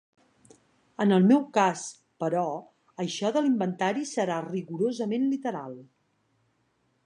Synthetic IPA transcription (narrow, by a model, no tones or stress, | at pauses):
ənəlˠmɛwkas | pəɾɔ | əʃɔðəlimbənt̪aɾisəɾariɣuɾozəmenlit̪əɾa̰lˠ